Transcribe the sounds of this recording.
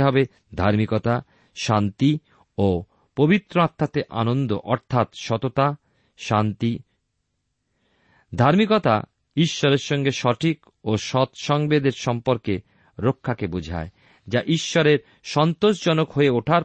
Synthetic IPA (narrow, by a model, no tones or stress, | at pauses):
ɦɔbe | d̪ʱaɾmikot̪a | ʃant̪i | o | pobit̪ːɾoat̪ʰːat̪eʔa̰nond̪oʔɔɾt̪ʰat̪ʃɔt̪ot̪a | ant̪i | d̪ʱaɾmikot̪a̰ | iʃːɔɾeɾʃɔŋɡeʃɔʈʰik | oʃɔt̪ʃɔŋbed̪eɾʃɔmpoɾke | ɾokʰːakebud͡ʑʱa̰e | d͡ʑaʔiʃːɔɾeɾ | ʃɔnt̪oʃd͡ʑɔnokɦoeoʈʰaɾ